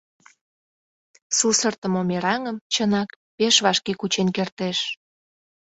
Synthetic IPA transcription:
susərt̪ə̆momeɾɑŋəmt͡ɕənɑk | peʃβɑʃkekut͡ɕenkert̪eʃ

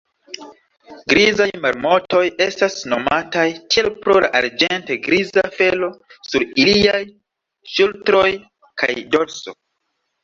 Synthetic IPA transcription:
ɡɾizajmaɾmo̞to̞je̞stasno̞matajtie̞lpɾo̞la̰ʔaɾd͡ʒe̞nteɡɾizafe̞lo̞suɾiliaj | ʃultɾo̞j | kʰa̰jdo̞lso̞̰

